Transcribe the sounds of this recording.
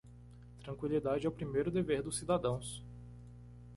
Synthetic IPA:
t̪ɾɐ̃ŋkwilid̪ad͡ʒɪɛʊpɾimejɾʊd̪eveɾd̪ʊsːid̪ad̪ɐ̃w̃s

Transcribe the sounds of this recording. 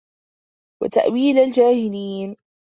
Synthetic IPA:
wa̰t̪a̰ʔwiːlald͡ʒaːhɪliːn

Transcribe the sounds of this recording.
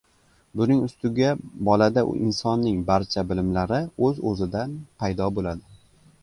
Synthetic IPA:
bʊnɪŋʊst̪ʊɡʲabɒlad̪aʔʔɪnsɒnːɪŋbaɾt͡ʃʰabɪlɪmlaɾɪɵzɵ̰zɪd̪anpʰajd̪ɒbolad̪ɪ

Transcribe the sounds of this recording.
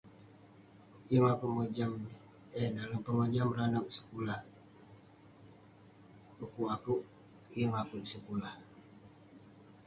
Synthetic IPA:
jəŋapəŋod͡ʒam | edaləmpəŋod͡ʒamɾanəʔsə̥kulah | ukuʔapuʔ | jəŋapudisəkulah

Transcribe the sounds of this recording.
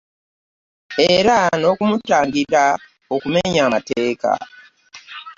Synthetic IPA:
eɾano̞kumutaːŋɡiɾa | o̞kume̞ɲaːmateːka̰

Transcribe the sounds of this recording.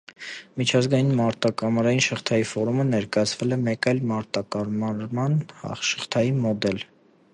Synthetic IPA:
mit͡ʃʰɑzɡɑjinmɑɾt̪ɑkɑmɑɾɑjinʃəχt̪ʰɑjifɔɾumənɛɾkɑjɑt͡sʰvɛlɛmɛkɑjlmɑɾt̪ɑkɑɾmɑɾmɑnʃə̥χt̪ʰɑjimɔd̪ɛl

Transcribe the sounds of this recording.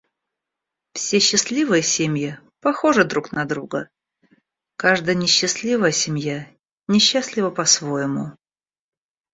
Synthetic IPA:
fsʲeɕːɪslʲivɨjəsʲemʲjɪ | pɐxo̞ʐɨd̪ɾuknɐd̪ɾuɡə | kaʐd̪əjənʲɪɕːɪsʲlʲivəjəsʲɪmʲja | nʲɪɕːasʲlʲɪvəpɐsvojɪmʊ

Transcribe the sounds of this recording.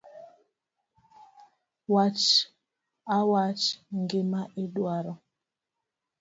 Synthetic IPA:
wat͡ʃ | awat͡ʃŋɡemaʔeɗwaɾɔ

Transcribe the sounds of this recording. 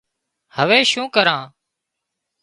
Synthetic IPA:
həʋeːʃũːkəɾãː

